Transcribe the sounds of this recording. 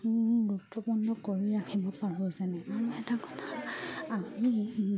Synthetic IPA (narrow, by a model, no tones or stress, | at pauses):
bɹuk̚tɔpundɔkoɹiɹakʰibɔpaɹɔzanɛamɔɛtakɔ̥tʰaami